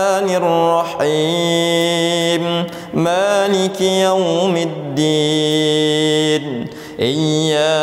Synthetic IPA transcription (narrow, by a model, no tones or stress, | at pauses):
nɪrːɑħi | m | maːlɪkjawmɪd̪ːiː | n | ʔɪjːaː